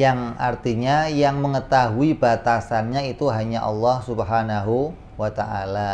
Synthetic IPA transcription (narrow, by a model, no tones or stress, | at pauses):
jaŋart̪iɲajaŋməŋət̪aɦuibat̪asanɲait̪uɦaɲaʔɑ̰lːɑhsubɦanaɦu | wat̪aʔala